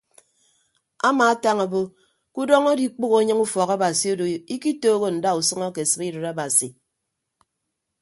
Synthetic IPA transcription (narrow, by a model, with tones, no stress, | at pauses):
a˦maː˨a˦ta˦ŋa˨bo˦ | ku˦dɔ˦ŋo˦di˨˦k͡po˦ɣo˨˦ɲɨ˦ŋu˦fɔ˨ɣa˦ba˨si˨o˦do˨i˦ki˦toː˦ɣo˦n̩˨da˦u˨sɔ˦ŋɔ˦ke˨sɨ˨bi˦ɾɨ˨ɾa˦ba˨si˨